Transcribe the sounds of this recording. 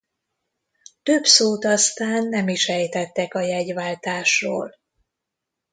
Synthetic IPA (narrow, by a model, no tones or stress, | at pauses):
t̪øbsoːt̪ɒst̪aːnːɛmiʃɛjt̪ɛt̪ːɛkɒjɛɟʋaːlt̪aːʃroːl